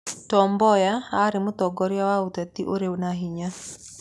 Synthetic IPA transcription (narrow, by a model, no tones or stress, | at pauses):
tɔmbɔjaaɾɪmʊt̪ɔɡɔɾjawaut̪ɛt̪iʔoɾewnaɦiɲa